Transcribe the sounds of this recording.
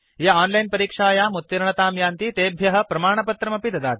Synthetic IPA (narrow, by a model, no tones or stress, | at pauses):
jɐɔːnlɐjnpɐɾiːkʂaːjaːmut̪ːiɾɐɳɐt̪aːmjaːnt̪it̪eːbʱjɐɦɐ̆pɾɐmaːɳ̃ɐpɐt̪ɾɐmɐpid̪ɐd̪aːt̪̚